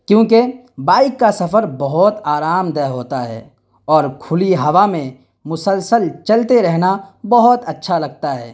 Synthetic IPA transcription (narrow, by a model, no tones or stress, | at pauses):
kjõːke | baːɪkːasɐfəɾbɐɦʊt̪aːɾaːmd̪ɛːɦoːt̪aɦɛ̰ː | ɔːɾkʰʊliɦɐʋamẽ | mʊsəlsəlt͡ʃɐlt̪eɾɛɦnabɐɦʊt̪ɐtːʃʰalɐɡ̚t̪aɦɛ̰ː